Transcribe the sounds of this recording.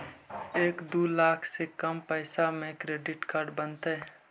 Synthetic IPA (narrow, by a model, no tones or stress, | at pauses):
eːkd̪uːlaːkʰsekəmpɛɪsamẽkɾeːɖɪʈkaːɾɖbənt̪eɦɛ